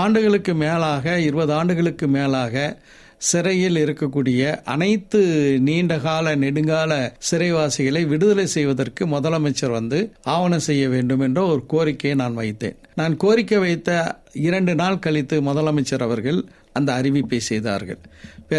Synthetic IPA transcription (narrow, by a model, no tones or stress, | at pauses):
aːɳɖɯɣɐɭɯkːɯmeːlaːɣɐɪɾɯbɐðɯaːɳɖɯɣɐɭɯkːɯmeːlaːɣɐ | sɪɾɐjɪlɪɾɯkːɐkːuːɽɪjɐʔɐ̰nɐɪt̪ːɯniːɳɖɐɣaːlɐnɛɽɯŋɡaːlɐsɪɾɐɪʋaːsɪɣɐɭɐɪʋɪɽɯðɐlɐɪsɛjʋɐðɐrkɯmʊðɐlɐmɐɪt͡ʃːɐɾʋɐnd̪ɯaːʋɐnɐsɛjːɐʋeːɳɖɯmɛndrɐɔɾɯkoːɾɪkːɐjnaːnʋɐɪt̪ːḛːnnaːnkoːɾɪkːɐʋɐɪt̪ːɐ | ɪɾɐɳɖɯnaːlkɐɭɪt̪ːɯmʊðɐlɐmɐɪt͡ʃːɐɾɐʋɐɾɣɐɭ | ɐnd̪ɐːɾɪʋɪpːɐɪsɛjða̰ːɾɣɐ̰ɭpː